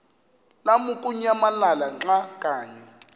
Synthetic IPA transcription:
lamukʼuɲamalalaŋ͡ǁakʼaːɲɛ

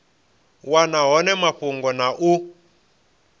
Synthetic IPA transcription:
wanaɦɔnɛmaɸuŋɡɔnaʔu

